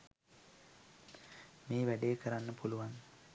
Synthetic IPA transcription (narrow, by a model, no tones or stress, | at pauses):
meːʋæɖejekəɾanːəpuluʋan